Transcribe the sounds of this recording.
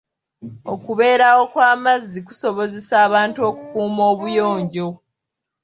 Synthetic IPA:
okuβe̞ːɾawo̞kwaːmazːiku̥so̞βo̞zesaːβaːntuo̞kukuːmo̞ːβujo̞ːɲɟo̞

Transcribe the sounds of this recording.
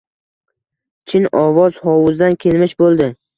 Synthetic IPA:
t͡ʃʰɪnɒvɒz̥hɒwʊzd̪ankʲʰe̞lmɪʃbolˠd̪ɪ

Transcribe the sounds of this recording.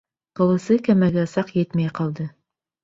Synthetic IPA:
qɤ̆lˠɤ̆sɤkæmæɡæɤ̆sɑqjɘt̪mæjqɑlˠd̪ɤ

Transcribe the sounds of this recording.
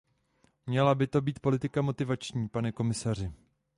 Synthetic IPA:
mɲɛlabɪt̪o̞biːt̪̚po̞lɪt̪ɪkamo̞t̪ɪvat͡ʃɲiːpanɛko̞mɪsar̝ɪ

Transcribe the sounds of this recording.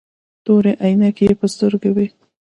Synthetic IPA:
t̪oɾeʔajnakejepəst̪əɾɡawi

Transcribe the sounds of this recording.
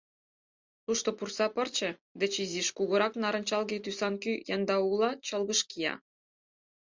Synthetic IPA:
t̪uʃt̪opursɑpɤ̆rt͡ɕĕd̪ɘ̆t͡ɕiziʃkuɣɤ̆ɾɑknɑɾə̆nʲt͡ɕɑlˠɣet̪ysɑnkyjɑnd̪ɑulɑt͡ɕɤ̆lɣɤ̆ʃkijɑ̰

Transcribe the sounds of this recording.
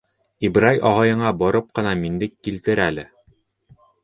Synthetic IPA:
ibɾajʔɒʁɑjɤ̆ɴɑbɒɾɤp̚qɤ̆nɑmind̪ɘkːilt̪ɘɾælɘ

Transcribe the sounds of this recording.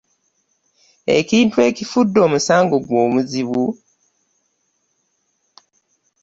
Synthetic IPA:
e̞̰ciːntwe̞ːcifudːo̞ːmusaːŋɡo̞ɡwo̞ːmuziβu

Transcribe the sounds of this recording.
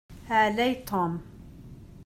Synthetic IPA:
haːlajt̪ʰoːm

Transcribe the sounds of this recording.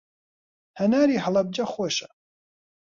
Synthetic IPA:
hɐnaːɾiːɦɐlˠɐb̚d͡ʒɐxoːʃɐ̥

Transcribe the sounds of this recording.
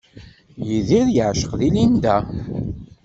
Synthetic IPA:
jəðiðjəʕʃə̥qðilind̪æ

